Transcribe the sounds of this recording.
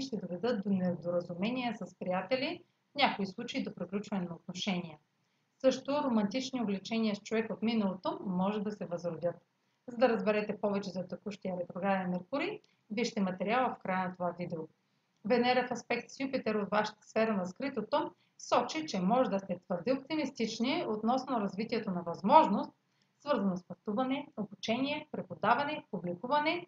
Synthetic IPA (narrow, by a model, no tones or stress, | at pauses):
ʃt̪ɛd̪ovɛd̪ɤt̪̚d̪onɛd̪oɾəzumɛniɛsɐspɾijat̪ɛlʲi | nʲakoislˠut͡ʃɛid̪opɾiklʲut͡ʃvɐnɛnɐot̪noʃɛniɛ | sɤʃt̪oɾomɐnt̪it͡ʃniovlɛt͡ʃɛniəst͡ʃovɛkot̪minɐlˠot̪omɔʒɛd̪ɐsɛvɐzɾod̪ʲɤt̪̚ | zɐd̪ɐɾəzbɛɾɛt̪ɛpɔvɛt͡ʃɛzɐt̪ɛkuʃt̪iəɾɛt̪ɾoɡɾad̪ɛnɐɾkuɾi | viʃt̪ɛmɐt̪ɛɾialˠəfkɾajənɐt̪ovavid̪ɛo | vɛnɛɾɛfɐspɛkt̪sjupit̪ɛɾot̪vaʃɐ̥t̪ə̥sfɛɾənɐskɾit̪ot̪o | sɔt͡ʃit͡ʃɛmɔʒɛd̪ɐst̪ɛt̪vɤɾd̪iop̚t̪imist̪it͡ʃniot̪nɔsnoɾɐzvit̪iɛt̪onɐvɐzmɔʒnost̪̚ | svɤɾzɐnɐspɐt̪uvɐnɛobut͡ʃɛniɛpɾɛpod̪avɐnɛpublikuvɐnɛ